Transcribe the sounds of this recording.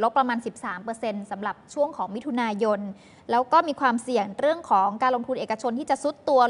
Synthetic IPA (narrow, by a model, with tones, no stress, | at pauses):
lo˦˥pːɾa˧maː˧nsi˨˩p̚saː˩˦mpɤː˧se˧nsa˩˦mɾa˨˩p̚t͡ɕʰu˥˩əŋkʰɔː˩˦ŋmi˦˥t̪ʰu˧naː˧jo˧n | lɛː˦˥wkɔː˥˩miː˧kʰwaː˧msi˨˩əŋɾɯ˥˩əŋkʰɔː˩˦ŋkaː˧nlo˧ŋt̪ʰu˧nʔeː˨˩ka˧t͡ɕʰo˧nt̪ʰiː˥˩t͡ɕa˨˩ʔsu˦˥t̪ːu˧ɐ